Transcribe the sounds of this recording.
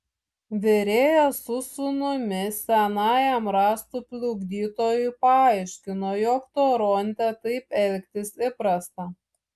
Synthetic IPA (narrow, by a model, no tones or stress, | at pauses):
ʋʲɛɾʲeːjosʊsʊnʊmʲɪsʲɛnɑːjɛmɾɑːst̪uːpʲlʲʊɡd̪ʲiːt̪oːjʊpɐɑɪʃʲkʲɪnoːjoːkt̪oːɾɔnʲt̪ʲɛt̪ɐɪpɛlʲkʲt̪ʲɪsɪpɾɐst̪ɐ